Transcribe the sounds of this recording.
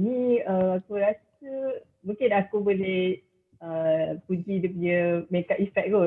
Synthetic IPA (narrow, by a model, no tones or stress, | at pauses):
niəmakuɾasə | bəkenakuboleh | əpud͡ʒidəp̬uɲəmekaʔifɛk̚t̚ɡo